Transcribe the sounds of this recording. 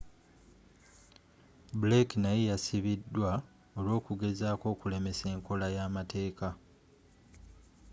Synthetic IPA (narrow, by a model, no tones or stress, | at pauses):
buleknajejasiβidːwa | o̞lo̞ːkuɡe̞zaːko̞ːkule̞me̞se̞ːŋko̞lajaːmate̞ːka